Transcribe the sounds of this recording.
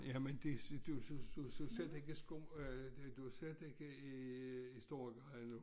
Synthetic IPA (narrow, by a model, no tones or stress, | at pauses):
jæmend̥ed̥usd̥usysede̝ɡ̥əsɡ̥omd̥uased̥eɡ̥əiisd̥o̝ɐ̰ɡ̥ɑnu